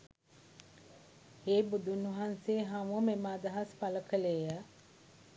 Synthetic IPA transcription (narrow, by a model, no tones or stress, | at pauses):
eːbud̪unːuɦanseːɦamumemaːd̪ɐɦaspaləkəleːja